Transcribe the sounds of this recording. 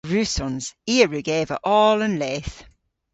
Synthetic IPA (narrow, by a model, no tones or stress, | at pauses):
ɹʉːsɔ̃nz̥iːəɹʉɡeːvə̰ʔɔːlə̃nleːθ